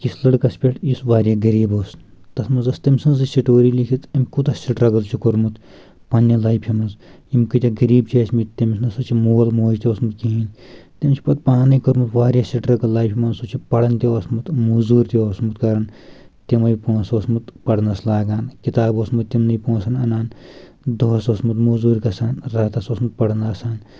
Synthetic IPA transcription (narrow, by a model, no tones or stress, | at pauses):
kislɐɽkɐspʲeʈjisʋaːɾjaːɡɐɾiːboːst̪ɐsmɐzɐst̪ɐmʲsɐnzɨsiʈoːɾiːlikʰit̪ɐmʲkut̪ɐsiʈɾɐɡɐzt͡ʃʰikoɾmut̪ | pɐnʲjɐlɐjpʰimɐzjimʲkɨt̪ʲɐɡɐɾiːbt͡ʃʰɐsmit̪t̪ɐmʲsnɐsut͡ʃʰimoːlmoːzt̪ʲoːsmut̪̚kiɦinʲt̪emʲt͡ʃʰi̥pɐt̪̚paːnɐjkoɾmut̪ʋaːɾʲjasilʈɾɐɡɐllaːjpʰʲimɐnsot͡ʃʰipɐɽɐnt̪eosmut̪muzuːɾt̪ʲioːsmut̪kɐɾɐn | t̪imɐjipõːsoːsmut̪pɐɽɐnɐslaːɡaːnkit̪aːboːsmut̪̚t̪imnɐjpõːsʰɐnɐnaːn | d̪oːsoːsmut̪muzuːɾʲkɐsaːnɾaːt̪asoːsmut̪̚pɐɽɐnaːsaːn